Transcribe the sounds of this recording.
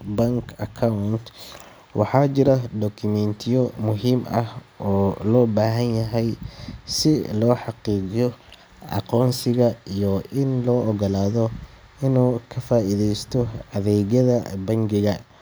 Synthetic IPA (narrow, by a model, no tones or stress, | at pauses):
bɐŋkʰɐkʰawnt̪ | wʔɑ̰ħɑːt͡ʃɪɾɐɖ̪ɔkʰʊmɛnt̪ʰɪjɔmʊɦiːmɐhɔːlɔːbaːɦɐnjɐɦɛjsɪlɔːħɑqiːɡɪjɔ | ʔɑ̰qɔːnsɪɣɐijɔʔɪnlɔːʔɔɣɐlaːðɔ | ɪnuːkʰɐfaːʔiðɛjst̪ʰɔɐðɛːɣɐðɐbɐŋɡɪɣɐ